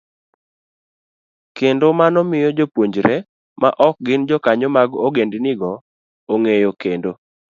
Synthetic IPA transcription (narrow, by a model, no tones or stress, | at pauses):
kendomanɔmɪjɔd͡ʒopwoɲd͡ʒɾɛ | ma̰ʔɔk̚ɡɪnd͡ʒɔkaɲomaɡoɡendnɪɡɔ | oŋejokendo